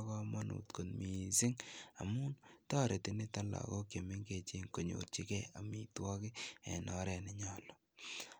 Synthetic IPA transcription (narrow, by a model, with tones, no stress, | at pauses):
kɔ˦ma˦nṵ˨tko˨nmi˨sɪ˦ŋa̰˨mu˦ntɔː˦ɾe˨tɪnɪ˦ta˦la̰kɔ˦ke˨mɪ˦ŋke˨t͡ʃe˦ŋko˨ɲo̰rt͡ʃi˦kɛ˦a˨mitwɔ˦kɪɛ̰˨nɔ˦ɾɛ˨nɛ˨ɲɔlɔ̥